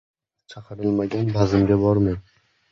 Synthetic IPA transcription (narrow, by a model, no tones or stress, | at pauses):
t͡ʃʰɑqʰɨɾɪlˠmaɡʲanbazɪmɡʲabɒɾmɪn